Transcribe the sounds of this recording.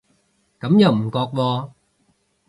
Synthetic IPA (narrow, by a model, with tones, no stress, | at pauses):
kɐ˨˥˦mja˨˩m̩˨˩kɔː˨˩k̚vɔː˧